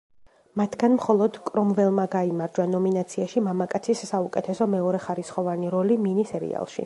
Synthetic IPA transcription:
mat̪ʰɡanmχɔlˠɔd̪kʼɾɔmvɛlˠmaɡaimaɾd͡ʒwanɔminat̪sʰiaʃimamakʼat̪sʰisːaukʼɛt̪ʰɛsɔmɛɔɾɛχaɾisχɔvaniɾɔliminisɛɾḭa̰lˠʃḭ

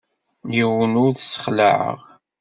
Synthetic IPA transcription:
jiwənʊɾθsə̥χləʕə̰ʁ

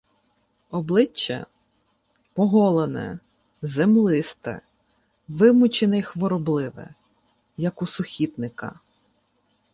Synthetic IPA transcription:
ɔblˠɪt͡ʃːɛ̰ | pɔɦɔlˠenɛ̰ | zemlˠɪst̪ɛ̰ | ʋɪmʊt͡ʃenɛjxʋɔɾɔblˠɪʋɛ̰ | jɐkʊsʊxʲit̪nɪkɐ̰

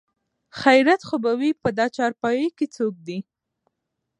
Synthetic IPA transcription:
xajɾat̪xobawipəd̪ɑt͡ʃɑɾpɑjəjket͡sok̚d̪i

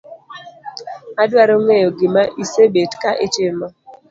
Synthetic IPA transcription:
adwaɾoŋejoɡɪmaʔisebetkaʔetemɔ

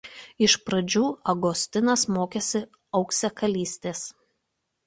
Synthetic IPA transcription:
ɪʃpɾɐd͡ʒʲuːɐɡɔsʲt̪ʲɪnɐsmoːkʲɛsʲɪ | ɒʊksʲɛkɐlʲiːsʲt̪ʲeːs

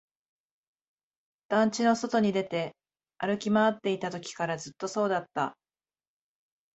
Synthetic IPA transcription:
d̪̥ãɲt͡ɕino̞so̞t̪o̞ɲ̟id̪e̞t̪e̞ | aɾɯ̟kʲimaat̪ːe̞it̪at̪o̞kʲi̥kaɾazɨt̪ːo̞so̞ːd̪at̪ːa̰

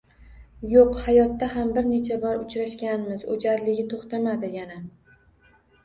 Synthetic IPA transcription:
joqhajɒt̪ːahambɪɾne̞t͡ʃʰabɒɾʊt͡ʃɾaʃkʲanmɪzo̰d͡ʒaɾlɪɡʲɪt̪ʰoχt̪amad̪ɪjana

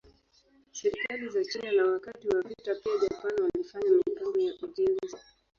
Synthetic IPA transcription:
sɛɾikalizakinanawakatiwavitapiaʄapanwalifaɲamituzɔjaʔuʄɛnza

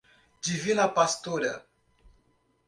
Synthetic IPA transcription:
d͡ʒivinɐpast̪oɾɐ̰

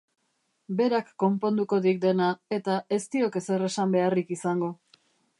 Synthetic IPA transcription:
be̞ɾakːo̞mpo̞nd̪uko̞ðik̚d̪e̞nae̞t̪aʔe̞st̪io̞ke̞se̞re̞sambe̞arikisaŋɡo̞

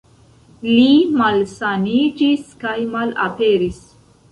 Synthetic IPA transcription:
limalsanid͡ʒiskajmala̰peɾis

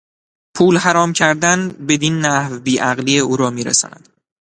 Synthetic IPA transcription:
pʰuːlhæɾɒːmcʰæɾd̪ænbe̞d̪iːnːæhvbiːʔæɣliːeuːɾɒːmiːɾḛsɒ̰ːnæ̰d̪̥

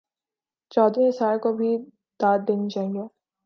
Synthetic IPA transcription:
t͡ʃɔːd̪ʋẽsaːlkobʱi | d̪aːd̪d̪ɪnd͡ʒaːɦie

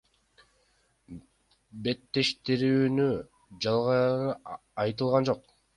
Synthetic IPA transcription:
be̞t̪ːe̞ʃt̪iɾyːny | d͡ʒɑlˠʁɑ | ɑjt̪̬ɯlˠʁɑnd͡ʒo̞q̚

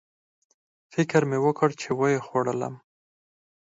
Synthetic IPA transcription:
fɪkɾmewəkəɽt͡ʃewajexwaɽəla̰m

